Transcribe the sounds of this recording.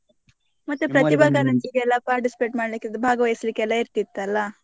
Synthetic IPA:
mɐt̪ːupɾɐt̪ibʱaːɡɐɾɐɲt͡ʃiɡeɛlːapaːɾʈisi̥peʈmaːɽlikːed̪ebʱaːɡɐʋɐjɐslikːeɛlːaiɾt̪it̪ːɐlːɐ

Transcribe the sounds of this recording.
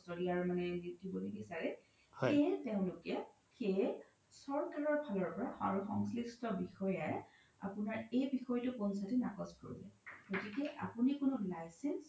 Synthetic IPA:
sɔliaɹmanɛnitibolojbisaɹɛ | heteʊ̃lʊkɛ | xej | sɔɹkaɹɔɹbʱalɔɹpɔɹaa̰ɹuxɔ̰ŋslistɔbixɔjaj | a̰pʊnaɹejbixɔjtʊkʊnsatinakɔzko̰ɹḭlɛ̰ɡ̥otikɛʔa̰punikʊnʊlajsɛns

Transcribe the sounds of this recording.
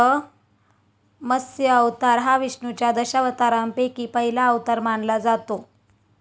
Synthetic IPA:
ə | məsjəəʋt̪aɾɦaʋiʂɳut͡ɕjad̪əɕaʋət̪aɾampekiːpəɦilaəʋt̪aɾmaɳlad͡zat̪o

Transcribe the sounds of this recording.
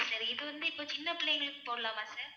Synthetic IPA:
sɐɾiɪðɯʋɐnd̪ɯɪpːoːt͡ʃɪnːɐpɪlɐːjɐŋɡɐɭɯkːɯ̥poːɽɐlãːmaːsaːɾ

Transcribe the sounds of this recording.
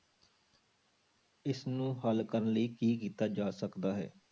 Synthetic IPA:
ɪsnũːɦəlkəɾənləiːkiːk̬iːt̪aːd͡ʒaːsəkd̪aːɦɛ̰ː

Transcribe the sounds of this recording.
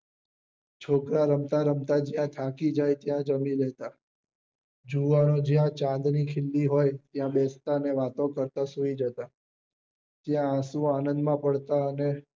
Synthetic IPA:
t͡ʃʰokɾaɾəmt̪aɾəmt̪ad͡ʒjãt̪ʰakid͡ʒajt̪jãd͡ʒəmilɛt̪a | d͡ʒuʋanod͡ʒjãt͡ʃãnd̪nikʰɪlːiɦojt̪jãbɛst̪aneʋat̪õkəɾt̪asuid͡ʒət̪a | t̪jããsũanə̃nd̪mãpəɽt̪aəne

